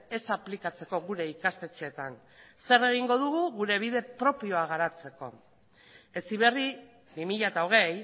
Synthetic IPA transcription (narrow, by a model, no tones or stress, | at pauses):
e̞saplikat͡se̞ko̞ɣuɾe̞ikast̪e̞t͡seːt̪an | se̞re̞ɣ̞iŋɡo̞ð̞uɣuɣuɾe̞β̞iðe̞pɾo̞pio̞aɣ̞aɾat͡se̞ko̞̰ | e̞siβ̞e̞ri | bimiʎat̪aoɣ̞e̞j